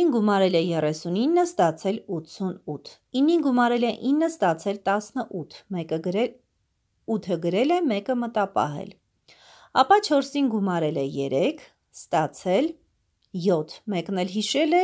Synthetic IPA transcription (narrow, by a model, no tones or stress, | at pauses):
inɡumɑɾɛlɛjɛrɛsuninːəst̪ɑt͡sʰɛlut̪t͡sʰunut̪ʰ | inːinɡumɑɾɛlɛʔinːəst̪ɑt͡sʰɛlt̪ɑsnəʔut̪ʰmɛkə | ut̪ʰəɡəɾɛlɛmɛkəmət̪ɑpɑ̰ɦɛ̰l | ɑpɑt͡ʃʰɔɾsinɡumɑɾɛlɛjɛ̰ɾɛkʰ | st̪ɑt͡sʰɛl | jɔt̪ʰmɛknɛlɦiʃɛlɛ